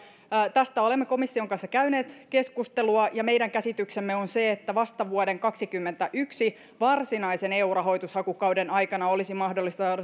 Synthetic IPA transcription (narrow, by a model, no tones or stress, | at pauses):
t̪æst̪æo̞lemːeko̞misːio̞ŋkɑnsːɑkæyne̞ːt̪ke̞skust̪eluɑjɑme̞jdæŋkæsit̪yksemːeo̞nse̞ːt̪ːæʋɑst̪ɑʋuode̞ŋkɑksikymːent̪æʔyksi | ʋɑrsinɑise̞ne̞ːuːrɑɦo̞jt̪ushɑkukɑwdenɑjkɑnɑo̞lisimɑhdo̞lːist̪ɑː